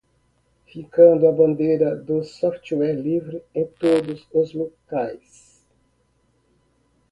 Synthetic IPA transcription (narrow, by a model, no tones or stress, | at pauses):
fikɐ̃nd̪uabõnd̪eɾɐd̪osɔft͡ʃuɛɾlivɾiẽt̪od̪uzozlukajs